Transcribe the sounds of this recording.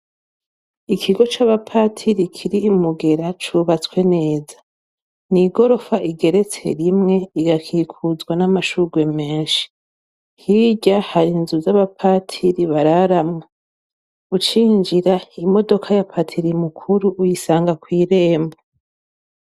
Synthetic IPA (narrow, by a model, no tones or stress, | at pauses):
ikʰiɡo̞t͡ʃaβapʰaːtʰiɾikʰiɾiːmuɡe̞ɾat͡ʃuβat͡swe̞ne̞ːzḁ | niɡo̞ɾo̞faʔiɡe̞ɾe̞t͡se̞̰ɾimŋe̞iɡakʰikʰuzɡwanamaʃuɡwe̞me̞ːnʃi̥ | hiɟahaɾinzuzaβapʰaːtʰiɾiβaɾaɾamŋa | ut͡ʃiːnd͡ʒiɾaimo̞do̞kʰajapʰatʰiɾimukʰuɾuʔːjisaːŋɡakwiːɾe̞ːmbo